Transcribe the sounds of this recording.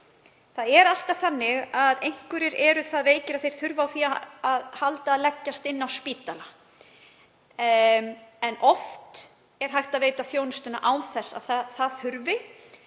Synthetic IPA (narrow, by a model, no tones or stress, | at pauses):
θaðɛɾal̥t̪aθanːɪɣaðejŋ̥kvʏɾɪɾɛɾʏθaðveːjcɪɾaðθejɾ̥θʏɾvawθiaaðhalt̪aːðlɛcːast̪ɪnːawspiːt̪ala | ɛnɔft̪ | ɛɾ̥ɦajht̪aðveːjt̪aθjoːwnʏst̪ʏnːa̰ʔawnθɛsːa̰ðθaθaðθʏɾvɪ